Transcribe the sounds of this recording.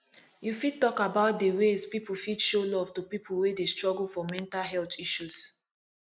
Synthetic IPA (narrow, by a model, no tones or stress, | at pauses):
jufid̚tɔkabaʊt̚dewezpipulfidʃolɔv̥tupipʰulwedestɹɔɡəlfɔmɛ̃ntalɦɛltiʃuz̥